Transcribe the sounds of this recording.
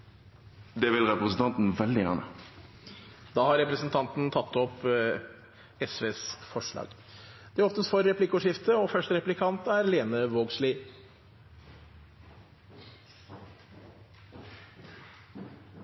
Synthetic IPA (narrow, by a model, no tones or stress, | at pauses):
d̪eːʋɪlʁɛpʁəsn̩t̪ɑnt̪n̩ʋɛld̪ɪjæ̰ːʁnə̰ | d̪ɑːhɑɾɛpɾəsnt̪ʰɑnt̪n̩t̪ʰɑt̪ːɔp | ɛsʋeːsfɔʂɭɑ̰ːɡ̥ | d̪̥ɛæɔft̪əsfɔɾːɛplɪkʊʂɪft̪əɔfœʂʈəɾɛplɪkʰɑnt̪æɾleːnəʋoːɡslɪ